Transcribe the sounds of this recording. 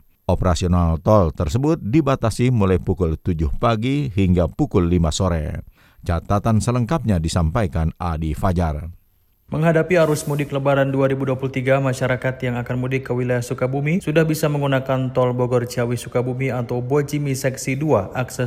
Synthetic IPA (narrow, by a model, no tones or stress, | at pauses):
ʔɔpəɾasionalt̪ɔlt̪ərsəbʊt̪̚dibat̪asimulajpukʊlt̪ud͡ʒʊhpaɡiɦiŋɡapukʊlːimasoɾɛ̰ | t͡ʃat̪at̪ansələŋkap̚ɲadisampajkanadifad͡ʒar | məŋɦadapiaɾʊsmudɪkləbaɾanduaɾibuduapulut̪iɡamaʃaɾakat̪jaŋakanmudɪkːəwilajahsukabumisudahbisaməŋɡunakant̪ɔlbɔɡɔrt͡ʃawisukabumiat̪awbɔd͡ʒimisɛksiduaʔaksɛ